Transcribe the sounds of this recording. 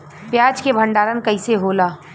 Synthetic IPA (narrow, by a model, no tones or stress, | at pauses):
pjaːd͡ʒkebʱə̃ɳɖaːɾənkɐɪseɦoːlaː